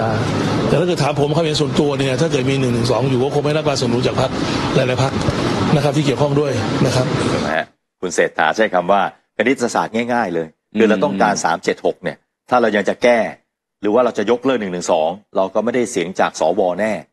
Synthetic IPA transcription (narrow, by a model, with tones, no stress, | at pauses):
aː˧˩t̪ɛː˨˩t̪a˥˩kɤː˨˩t̪ʰːaː˨˦mpʰo˩˦mkʰa˥˩˨ji˨˦nsu˨˩ənt̪u˧ɐniː˧˩nʰ˨˩aː˥˩k̬ɤː˨˩t̪̚miː˧nɯ˨˩ŋnɯ˨˩ŋsɔː˩˦ŋjuː˨˩kɔː˥˩kʰo˧ma˥˩ɾa˥k̚laː˧nsu˨˩əndu˧˦nt͡ɕaː˨˩k̚pʰa˦˥k̚ɾaː˧˦jlaː˨˦pʰa˦˥k̚na˦˥kʰa˦p̚t̪ʰiː˥˩ki˨˩əwkʰɔ˥˩ŋdu˥˩əjna˦˥kʰɾa˦˥p̚ːma̰˦˧˥ | kʰu˧nseː˨˩t̪̚ʰːa̰ː˩˦t͡ɕʰa˥˩jkʰa˧mwaː˥˩ | ka˧ne˦˥ɾa˧sa̰ː˨˩t̪̚ŋɛː˥˩jŋaː˥˩jlɤː˧j | kʰɯː˧ɾa˧˩t̪ɔ˥˩ŋkaː˧nsaː˩˦mt͡ɕe˨˩t̪̚ho˨˩k̚ni˥˩ɐ | t̪ʰaː˥˩ɾa˧wja˧ŋt͡ɕa˨˩kɛː˥˩ | ɾɯː˩˦waː˥˩ɾa˧wt͡ɕa˨˩jo˦˥k̚lɤː˥˩nɯ˨˩ŋnɯ˨˩ŋsɔː˩˦ŋɾa˧wkɔː˥˩ma˥˩jda˥˩jsi˩˦əŋt͡ɕa̰ː˨˩k̚sɔː˩˦wɔː˧nɛː˥˩